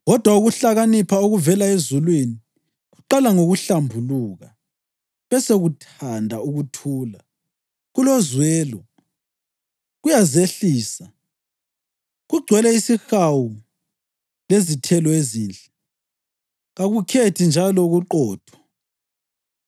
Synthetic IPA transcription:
ɣɔd̥ʱwauɣuɬaɣanipʰaoɣuvɛlaezulwini | ɣuǃalaŋoɣuɬambʱuluːɣa | βɛseɣutʰandʱauɣutʰuːla | ɣulɔzwɛːlɔ | ɣujazeɬiːsa | ɣuɡ͡ǀʱwɛlɛisixawu | lezitʰɛlɔeziːnt͡ɬʼɛ | ɣaɣukʰetʰind͡ʒʱalɔɣuǃɔːd̥ʰʱwɔ̥

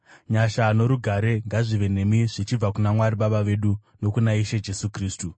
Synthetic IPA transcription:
ɲaʃano̞ɾuɡʱaɾe̞ŋɡaʐiʋe̞ne̞miʐit͡ʃib͡vakunamwaɾiɓaɓaʋe̞ɗuno̞kunaiʃed͡ʒe̞sukriːstu

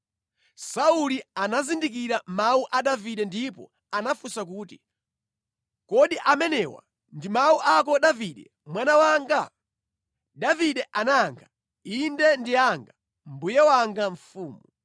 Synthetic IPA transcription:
saulianazindikiɾamauʔaɗaviɗɛndipɔ̰ | anafusak̬uːti | kɔɗiʔamɛnɛwa̰ | ndimauʔak̬ɔɗaviɗɛ | mwanawaːŋɡa | daviɗɛʔanaŋɡa | indɛndiaŋɡa | mbujɛwaŋɡaɱ̩fuːmu

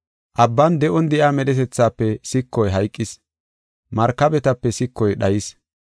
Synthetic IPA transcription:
ʔɐbːɐnd̪ɛʔɔnd̪ɛʔaːmɛɗɛt̪ɛt͡sːaːpːɛsɪkːɔjɦɐjkʼːɪs | mɐɾkːɐbɛt̪ɐpːɛsɪkːɔjɗɐjɪs

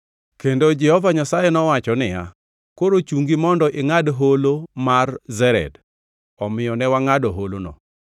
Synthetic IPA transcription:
kendod͡ʒɛhɔvaɲasajɛnɔwat͡ʃɔnɪja̰ | koɾot͡ʃuŋɡimɔndɔʔɪŋadɦolomarzɛɾɛ̰d | ɔmɪjɔnɛwaŋadɔɦolonɔ̰

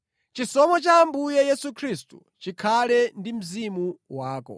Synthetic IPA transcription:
t͡ʃisɔmɔt͡ʃaːmbujɛjɛsukʰɾistu | t͡ʃikʰalɛndim̩zimuwaːkɔ̰

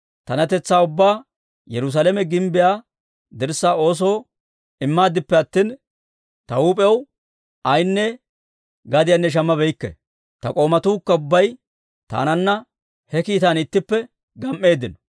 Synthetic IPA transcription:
t̪ɐnɐt̪ɛt͡sːaːʊbːaː | jɛɾʊs̬aːlɛmɛɡɪmbɪjaː | d̪ɪɾsːaːo̞ːs̬o̞ː | ɪmːaːd̪ɪpːɛɐt̪ːiːn | t̪ɐuːpʼɛw | ɐjnːɛ | ɡɐd̪ɪjanːɛʃ̬ɐmːɐbɛjkːɛ̰ | t̪ɐkʼo̞ːmɐt̪uːkːɐʊbːɐj | t̪a̰ːnɐnːɐ | hɛkiːt̪anɪt̪ːɪpːɛ | ɡɐmʔe̞ːd̪ːɪnɔ̥

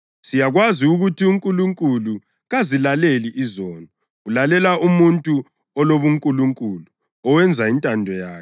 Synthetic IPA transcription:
sijaɣwaziuɣutʰiuŋkʼuluŋkʼulu | ɣazilaleliʔizɔːnɔ | ulalɛlaʔumuntʼu | ɔloβuŋkʼuluŋkʼulu | ɔwɛnd͡zʱaintʼandʱɔjaːkɛ̥

